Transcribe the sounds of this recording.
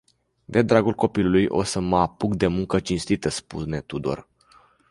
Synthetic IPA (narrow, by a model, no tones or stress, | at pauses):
d̪e̞d̪ɾaɡulko̞pilulujʔo̞̰səməapuɡd̪e̞muŋkət͡ʃinst̪it̪əspṵne̞t̪ud̪o̰r